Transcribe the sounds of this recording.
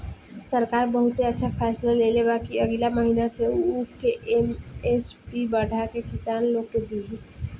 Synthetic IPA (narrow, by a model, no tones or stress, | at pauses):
sɐɾkaːɾbɐɦʊt̪eɐtːʃʰafʰɛːslaleːlebaːkiɐɡilamɐɦiːnaseuːpkeʔemespibəɽ̤ʱakekɪsaːnloːɡked̪iɦi